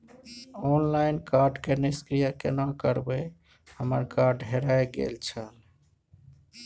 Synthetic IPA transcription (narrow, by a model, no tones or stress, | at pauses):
onlaɪnkaɾɖkeniskɾijakḛnakəɾbə | həməɾkaɾɖɦeɾajɡḛlt͡ʃʰəl